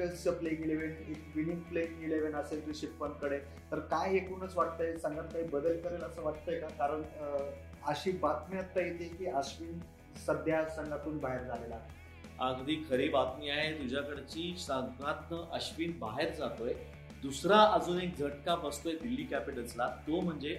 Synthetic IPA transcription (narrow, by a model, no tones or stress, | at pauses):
ət͡ɕəpleɡeleʋeɳekʋiniŋɡpleɡeleʋeɳəseliɕipːənkəɽe | t̪əɾkajekuːnət͡sʋaʈ̚t̪əjesəŋɡat̪̚kaɦibəd̪əlkəɾajləsəːʋaʈt̪əjkakaɾəɳ | əɕiːbat̪miət̪ːajet̪ekiːəɕʋiːn | səd̪ʱjasəŋɡat̪uːnbaɦeɾd͡zalela | aɡd̪iːkʰəɾebat̪miːaɦet̪ud͡ʑʱjakəɽat͡ɕiːsəɡat̪nəʔəɕʋiːnbaɦeɾd͡zat̪oj | d̪usɾaəd͡zuːnek̚d͡zʱəʈkabəst̪ojed̪ilːiːkæpiʈəslat̪om̤əɳd͡ze